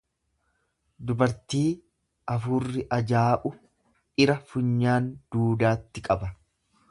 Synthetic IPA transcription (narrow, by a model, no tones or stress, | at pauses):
d̪ʊbɐɾt̪iː | ʔɐfuːrːɪʔɐd͡ʒaːʔʊ | ɪɾɐfʊɲːaːnd̪̥uːd̪aːt̪ːɪkʼɐbɐ